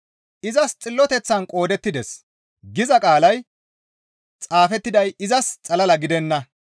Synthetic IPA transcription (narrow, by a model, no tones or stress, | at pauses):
ʔɪzɐst͡sʼɪlːɔt̪ɛt͡sːɐnkʼo̞ːd̪ɛt̪ːɪd̪ɛs | ɡɪzɐkʼaːlɐj | t͡sʼaːfɛt̪ːɪd̪ɐjɪzɐst͡sʼɐlɐlɐɡɪd̪ɛnːɐ